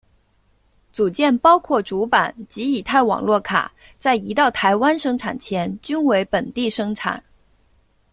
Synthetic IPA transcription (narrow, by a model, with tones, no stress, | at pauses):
t͡su˨˩t͡ɕjɛ˥˩npɑ˥ʊkʰwɔ˥˩ʈ͡ʂu˧˥pa˨˩˦nt͡ɕi˧˥i˨˩t̪ʰa˥˩ɪwɑ̰˨˩ŋlwɔ˥˩kʰa̰˨˩˦ | t͡sa˥˩ɪi˧˥t̪ɑ˥˩ʊt̪ʰa˧˥ɪwa˥nʂɤ˥ŋʈ͡ʂʰa˨˩nt͡ɕʰjɛ˧˥nt͡ɕy˥nwe˧˥ɪpə˨˩nt̪i˥˩ʂɤ˥ŋʈ͡ʂʰa̰˨˩˦n